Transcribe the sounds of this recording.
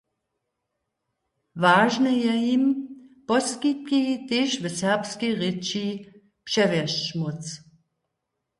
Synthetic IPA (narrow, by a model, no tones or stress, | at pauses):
vaːʒnɛjɛjimpɔskit̪̚kit̪eːʃvəsɛʁpskiʁɪt͡ʃi | pʂɛvɛʃt͡ʃmot͡s